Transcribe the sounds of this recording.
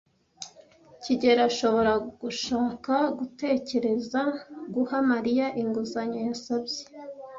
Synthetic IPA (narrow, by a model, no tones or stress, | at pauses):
ciɟe̞ɾaʃo̞βo̞ɾaɡ̥uʃaːkaɡute̞ːce̞ɾe̞zaɡuhamaɾijaʔiŋɡuzaɲojasabje̥